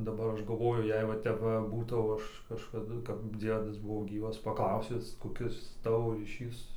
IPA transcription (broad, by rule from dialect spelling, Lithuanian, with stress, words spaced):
dɐˈbɐr ˈɐʃ ɡɐˈlˠʋoːjʊ ˈjɛɪɡʊ ˈʋɐ tʲɛp ˈʋɐ ˈbuːtɐʊ ˈɐʃ kɐʃkɐˈdʊ kɐp ˈd͡zʲiɛdɐs ˈbʊʋoː ˈɡʲiːʋɐs pɐˈklˠɐʊsʲɪs koːˈkʲɪs ˈtɑːʋoː rʲiːˈʃʲiːs